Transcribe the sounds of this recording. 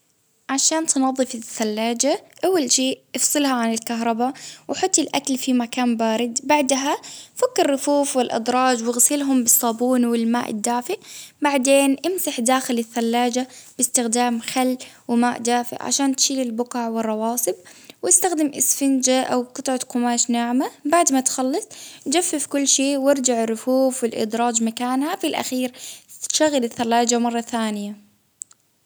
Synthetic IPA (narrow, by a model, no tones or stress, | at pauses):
ʕaʃaːnt̪nɑðˤːɨfɪθːalːaːd͡ʒaʔawːalʃeːʔʔɨfsˤɨlhaʕanɪlkaɦɾˤɑbawħʊt̪ˤːɪlʔa̰kalfimakaːmbaːɾɪd̪baʕd̪ɦafakːɪɾːʊfuːfwɪlʔɪ̰d̪ɾˤɑːd͡ʒwɪɣsɪlɦʊmbɨsˤːɑːbuːnwɪlmaːʔɪ̰d̪ːaːfɪʔbaʕd̪eːnʔɪmsaħd̪aːxɪlɪθːalːaːd͡ʒab̥ɪst̪ɪxd̪aːmxalː | wɪmaːʔd̪aːfɪ̰ʔʕa̰ʃaːnt̪ʃiːlɪlbʊqɑʕwɪrˤːɑwɑːsˤɨbwɪst̪axd̪ɪmʔɪsfɪnd͡ʒaʔawqɨt̪ˤʕɑt̪qʊmaːʃnaʕmabaʕd̪mat̪xɑlːɑsˤd͡ʒafːɪfkʊlːʃeːwɪɾd͡ʒaʕɪrːʊfuːfwɪlʔɪ̰d̪ɾˤɑːd͡ʒmakaːnhafilʔa̰xiːɾʃaɣːɪlɪθːalːaːd͡ʒamɑrˤːɑθaːnɪja